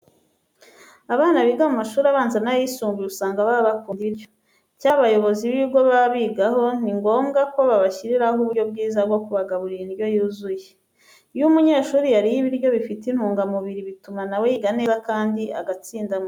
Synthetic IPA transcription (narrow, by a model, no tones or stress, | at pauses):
aβaːnaβiɡamumaʃuːɾaβaːnzanajisuːŋɡujeusaːŋɡaβaβakuːndiβiɾjo̥ | caːβajo̞βo̞ziβiɡo̞βaβiɡaɦo̞niŋɡo̞ːmɡako̞βaβaçiɾiɾahuɾɟo̞b̚ɡiːzaɾɡwokuβaɡaβuɾiɾinɾjo̞juːzuje | jumuɲe̞ʃuːɾijaɾijiβiɾɟo̞βifitin̥huːŋɡamuβiɾiβitumanawejiɡanezakaːndiaɡat͡siːndamo